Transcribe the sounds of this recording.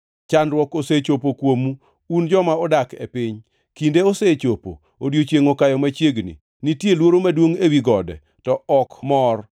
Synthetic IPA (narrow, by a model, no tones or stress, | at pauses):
t͡ʃanɾwɔkoset͡ʃopokwomu | und͡ʒɔmaɔdakḛpɪɲ | kindeoset͡ʃopo̰ | odjot͡ʃjeŋokajɔmat͡ʃjeɡnḭ | nitjelwoɾomadwoŋewiɡɔdɛ̰ | tɔɔkmɔr